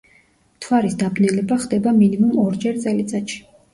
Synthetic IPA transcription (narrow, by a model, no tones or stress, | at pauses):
mt̪ʰwaɾisd̪abnɛlɛbaχd̪ɛbaminimumɔɾd͡ʒɛɾt̪sʼɛlit̪sʼat̪ʃi̥